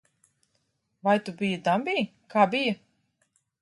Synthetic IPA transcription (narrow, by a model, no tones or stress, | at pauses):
vajt̪ubijad̪ambʲiː | kaːbijɐ